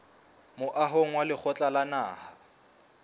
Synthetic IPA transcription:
mʊʔaɦoŋ̩walɪk͡xʰɔt͡ɬʼalana̰ːha

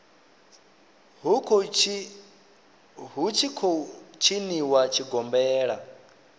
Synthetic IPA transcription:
ɦukʰ | ɦut͡ʃʰikʰɔt͡ʃʰiniwat͡ʃʰiɡɔmbɛːɺa̰

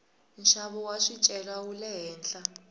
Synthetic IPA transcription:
nʃaβɔwaʂit͡ʃʼɛlaulɛɦɛːnɬʼa

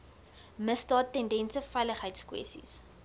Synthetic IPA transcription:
məstɑːtːɛndɛnsəfɛjləχɦəjtskwɛ̰stḭs

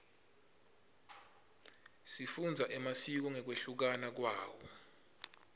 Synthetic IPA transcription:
sifund͡zʱaʔɛmasik̬ɔŋɛk̬weɬuk̬anak̬waːwɔ

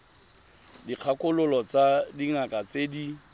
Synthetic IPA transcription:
diq͡χʰakʼʊlʊlɔt͡sadiŋakʼat͡sedi

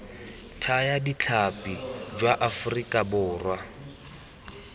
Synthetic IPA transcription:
tʰajadit͡ɬʰapʼid͡ʒwaʔafʊrikʼabʊːrwa

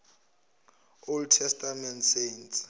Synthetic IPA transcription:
oltʰɛstʰamɛntsejns

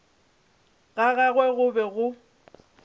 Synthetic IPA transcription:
ɣaɣaɣwɛɣʊbɛɣʊ

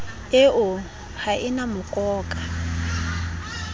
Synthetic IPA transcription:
eʔʊ | haʔɪnamʊkʼɔːkʼa

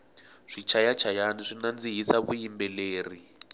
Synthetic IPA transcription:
ʂit͡ʃʰajat͡ʃʰajaniʂinand͡ziɦisaβujimbɛleːri

